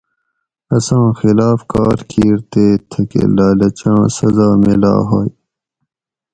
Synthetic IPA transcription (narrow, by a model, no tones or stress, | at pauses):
ɐsãːxɪlaːfkaːɾkʰiːɾt̪eːt̪ʰɐkḛlaːlɐt͡ɕãːsɐzaːmela̰ːɦoːj